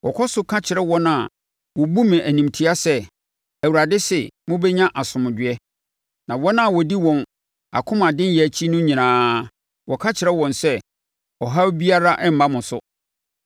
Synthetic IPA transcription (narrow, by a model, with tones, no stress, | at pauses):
wɔ˨kʰɔ˦sʊ˨kʰã˦t͡ɕʰɪ˨ɾɛ˦wɔ̃˦nã˨ | wɔ˨bu˦mɪ̃˨ʔæ˨nĩ˨mtʰi˦a˦sɛ˦ | æ˨wu˨ɾa˨dɪ˦sɛ˨mʊ̃˦bɛ˦ɲã˦ʔa˨sʊ̃˨mʊ̃˨dɪ˨ɛ˦ | nã˨wɔ˦nã˦˨wɔ˨di˦wɔ̃˨n | a̰˨kʰʊ̃˦mã˨dɪ̃˦njɛ˨æ˨t͡ɕʰi˦nʊ̃˦ɲĩ˨nãː˨˦ | wɔ˨kʰã˦t͡ɕʰɪ˨ɾɛ˦wɔ̃˨nsɛ˦ | ɔ˨ɦa˦bi˦a˦ɾa˦ʔɛ˦m̩˨mã˦mʊ̃˨sʊ̰˦